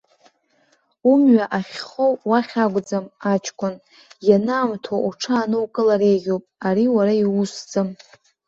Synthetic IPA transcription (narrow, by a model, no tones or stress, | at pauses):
umɥaʔaχʲχowwaχʲaɡʷʼd͡zamat͡ʃʰʼkʷʼʊn | janaːmtʰoʔuʈ͡ʂʰaːnɨwkʼɨlaɾejɡʲopʼaɾiwaɾaiusd͡zɨm